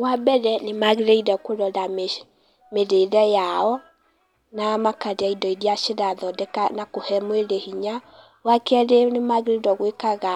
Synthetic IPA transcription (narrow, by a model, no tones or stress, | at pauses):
wabɛɾɛnemaɣeɾeidɔkoɾɔðam | meðeiɾɛjaɔ | namakaɾeaidɔidiaʃeɾaðɔdɛkanakohɛmweɾehiɲa | wakɛɾenemaɣeɾeidɔɣwekaɣa